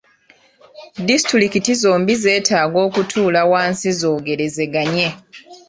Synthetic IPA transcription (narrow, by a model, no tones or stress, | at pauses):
distɾilikitizo̞ːmbize̞ːtaːɡo̞ːkutʰuːlawaːnsizo̞ːɡe̞ɾe̞ze̞ɡaɲe̞